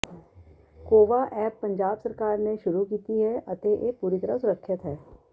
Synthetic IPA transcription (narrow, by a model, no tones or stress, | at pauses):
koːʋaʔɛːpːɐ̃ɲd͡ʒaːbsɐɾkaːɾneʃʊɾukiːt̪iɦɛɐt̪eʔepuːɾit̪ɐɾasʊɾəkʰːʃɪt̪ɦɛː